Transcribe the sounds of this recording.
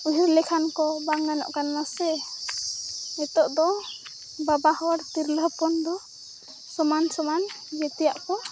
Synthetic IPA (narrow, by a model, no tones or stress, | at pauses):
uɦiɾlɛkʰankɔbaŋɡanɔ̰ʔkanːasɛ | ɛt̪ɔʔd̪ɔ | babahɔwaɽt̪iɾləɦpɔnd̪ɔ | sɔmansɔman | ɡɛt̪ɛjaʔkɔ